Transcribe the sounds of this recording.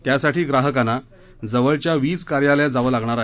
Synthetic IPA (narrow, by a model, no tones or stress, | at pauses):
t̪jasaʈʰiːɡɾaɦəkana | d͡zəʋəɭt͡ɕjaʋiːt͡skaɾjaljad͡zaʋəːlaɡɳ̃aɾaɦ